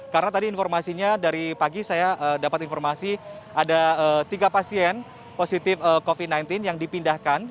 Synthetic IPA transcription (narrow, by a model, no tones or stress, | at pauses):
kaɾənat̪adiːnformasiɲadaɾipaɡisajaʔəːdapat̪infɔrmasi | adaət̪iɡapasiɛn | posit̪ɪfəkofid̚najnt̪ɪnjaŋdipindahkan